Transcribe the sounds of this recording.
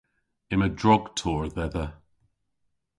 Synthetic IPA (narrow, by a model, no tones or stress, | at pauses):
ɪmədɹɔɡ̥tʰɔːɹðɛðə